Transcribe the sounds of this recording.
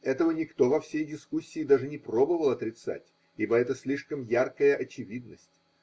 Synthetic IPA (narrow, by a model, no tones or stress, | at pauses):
ɛt̪əvənʲɪkt̪o̞vɐfsʲejdʲɪskusʲːɪːd̪aʐɨnʲɪpro̞bəvəlˠɐt̪ɾʲɪt̪sa̰tʲ | ibəɛt̪əsʲlʲiʂkəmjarkəjəʔɐt͡ɕɪvʲid̪nəsʲtʲ